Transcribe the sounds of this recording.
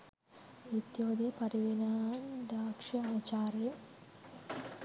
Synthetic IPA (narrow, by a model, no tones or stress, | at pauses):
it̪joːd̪epɐɾiʋinaːnd̪aːkʂɐaːt͡ɕaːrjɐ